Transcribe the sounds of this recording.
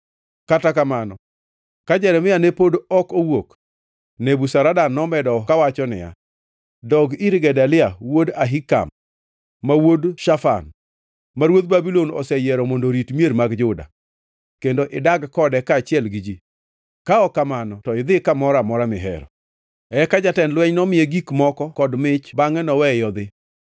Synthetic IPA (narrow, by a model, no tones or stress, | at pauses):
katakamanɔ | kad͡ʒɛɾɛmɪanepodɔkowok | nebusaɾadanːɔmɛdɔkawat͡ʃɔnɪ̰ja̰ | dɔɡiɾɡɛdalɪawodaɦika̰mː | awodʃafa̰n | maɾwod̪̚babilonɔ̰sɛjɛɾɔmondoɾitmieɾmaɡd͡ʒʊda̰ | kendoʔɪdaɡkɔdɛkaːt͡ʃɪɛlɡid͡ʒi | kaɔkamanɔtɔɪd̪ɪkamɔɾamɔɾamɪɦɛ̰ɾɔ̰ | ɛkad͡ʒatɛnlwɛɲnɔmɪjeɡikmɔkɔkɔdmɪt͡ʃbaŋɛnɔwɛjɔd̪ɪ